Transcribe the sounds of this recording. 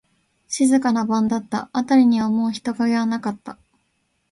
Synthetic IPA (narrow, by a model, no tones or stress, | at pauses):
ɕizɨkanabãnd̪at̪ːa̰ːt̪aɾʲiɲ̟iβamo̞ːçi̥t̪o̞ɡaɡeβanakat̪ːa